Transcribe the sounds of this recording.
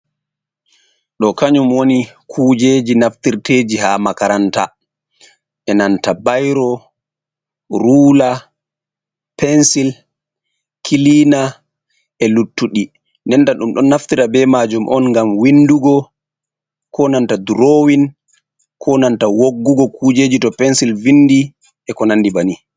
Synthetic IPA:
ɗɔkaɲumwonikʰuːd͡ʒeːd͡ʒinaftiɾteːd͡ʒiɦamakaɾanta̰ | ʔɛnantabajɾɔ | ɾuːla | pɛnsil | kʰilina | ʔɛlutːuɗi | nɛntaɗumɗɔnːaftiɾabɛmad͡ʒumʔɔ̰nŋɡamwinduɡɔ | kɔnantaduɾowin | kʰɔnantawoɡːuɡɔkuːd͡ʒeːd͡ʒitɔpɛnsilvindi | ʔɛkɔnandibani

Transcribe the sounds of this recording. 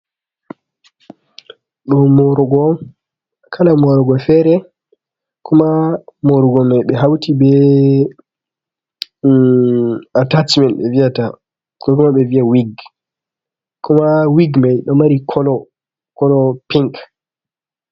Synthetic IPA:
ɗɔmɔɾɔɡɔn | kʰanamɔɾɔɡɔfɛɾɛ | kʰumamɔɾuɡɔmajɓɛɦawtʰibɛ | atat͡ʃmɛntɓɛ̰viata | kɔkumaɓɛviawiɡ | kɔmawiɡmajɗɔmaɾikʰɔlɔ | kɔlɔpiŋk

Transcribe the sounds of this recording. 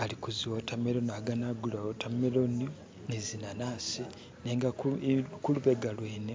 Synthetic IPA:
alikuziwotamelonaɡanaɡulaotʰameloni | nezinanasi | neːŋɡakuluβeɡalweːne

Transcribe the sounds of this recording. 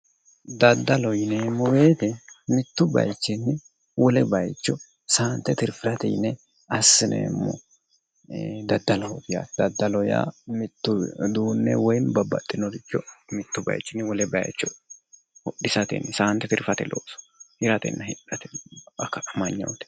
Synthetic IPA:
d̪ɐd̪ːɐlɔjneːmːɔbe̞ːt̪ɛmɪt̪ːʊbɐ̰jt͡ʃːɪnːɪ | wɔlɛbɐjt͡ʃːɔ | saːnt̪ːɛt̪ɪɾfɪɾɐt̪ɛ̰jnɛ | ɐsːɪnʔḛːmːɔ̰ | d̪ɐd̪ːɐlɐhɔb̪ɪja̰ːd̪ɐd̪ːɐlɔja̰ːmɪt̪ːʊd̪uːnːɛ̰wɔjnbɐbːɐ̰t̪ʼːɪnɔɾɪt͡ʃːɔmɪt̪ːʊbɐ̰jt͡ʃːɪnwɔlɛbɐjt͡ʃːɔ | hɔɗɪsɐt̪ɛ̰nːɛsaːnt̪ːɛt̪ɪɾfɐt̪ɛlʔo̰ːsɔ̥hɪɾɐt̪ɛ̰nːɐhɪᶑɐt̪ɛɐkːɐɐmɐɲːɐ̰wt̪ɛ̥

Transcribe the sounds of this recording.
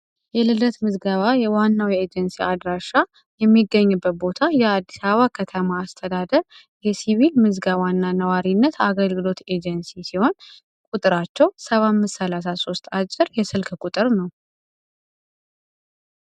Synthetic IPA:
jɛlɨlət̪mɨzɡəβajɛwanːawjɛed͡ʒɛnsiad̪ɾaʃa | jɛmːiɡːəɲːubːət̪̚bo̞t̪ʰajɛad̪ːisaβakʰət̪ʰəmaːst̪ʰəd̪ad̪əɾ | jɛsiβilmɨzɡawanːanəwaɾinːət̪ʰaɡəlɡɨlo̞t̪e̞d͡ʒɛnsisiho̞n | kʼut̪ʼɨɾat͡ʃːɛwsəβamːɨssəlas̬aso̞st̪ʼat͡ʃʼːɪɾjɛsɨlkʰkʼut̪ʼɨɾnəw

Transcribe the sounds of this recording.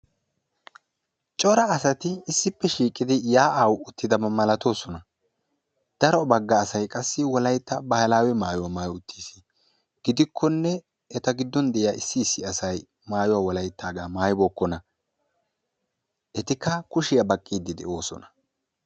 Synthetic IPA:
t͡ʃʼɔɾɐːsɐt̪ɪːsːɪpːɛʃiːkʼɪd̪ɪjaːʔawʊt̪ːɪd̪ɐmɐmɐlɐt̪o̞ːsɔnɐ | d̪̥ɐɾɔbɐɡːɐːsɐjkʼɐsːɪwɔlɐjt̪ːɐbɐhɐlaːwɛmaːjɔwamaːjʊt̪ʰːiːsi̥ | ɡ̥ɪd̪ɪkʰːɔnːɛ | ɛt̪ɐɡɪd̪ːɔnd̪ɛʔɪjaːɪsːɪːsːɪɐsɐj | maːjɔwaːwɔlɐjt̪ːaːɡaːmaːjbɔkːɔnɐ | ʔɛt̪ɪkːɐkʊʃɪjɐbɐkʼːiːd̪ːɪd̪ɛ̰ʔo̞ːsɔ̰nɐ̥

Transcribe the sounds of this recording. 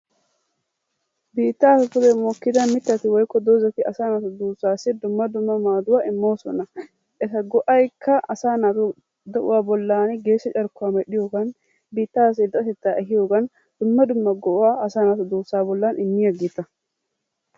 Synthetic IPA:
biːt̪ːaːsɐkʊd̪ɛmokːɪd̪ɐmɪt̪ːɐt̪ɪwɔjkːɔd̪oːzɐt̪ɪɐsaːnat̪ʊd̪uːsaːsɛd̪ʊmːɐd̪ʊmːɐmaːd̪ʊwaːɪmːo̞ːsɔ̰nɐ | ʔɛsɐɡɔʔɐjkʰːɐɐsaːnat̪ʊ | d̪ɐʔʊ̰waːbɔlːaːnɪɡeːʃːɐt͡ʃʼɐɾkːʊaːmɛɗɪjoɡɐn | biːt̪ːaːs̬ɪd̪ɐɐsɛt̪ːaːʔɛɦɪjoɡɐn | d̪̥ʊmːɐd̪ʊmːɐɡɔʔʊwaːɐsaːnaːt̪ʊd̪uːsːaːbɔlːaːnʔɪnːɪjɐɡɪt̪ːɐ

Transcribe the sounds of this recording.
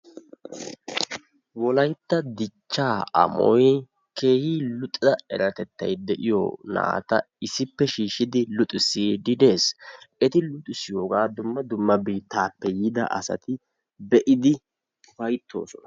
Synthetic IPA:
wɔlɐjt̪ːɐd̪ɪt͡ʃːaːɐ̰mɔ̰j | ke̞ːhiːlʊt̪ʼɪzɐɛɾɐt̪ɛt̪ːɐ̰jd̪ɛʔɪjo̰na̰ːt̪ɐ | ɪsɪpːɛʃiːʃɪd̪ɪlʊt̪ʼɪsid̪ɪd̪e̞ːsɛt̪ɪlʊt̪ʼːɪsɪjoːɡaːd̪ʊmːɐd̪ʊmːɐbiːt̪ːaːpːɛjɪd̪ɐ̰ʔɐ̰sɐ̰t̪ɪ | bɛʔɪd̪ɪ | fɐjt̪ʰːo̞̰ːsɔnɐ̥

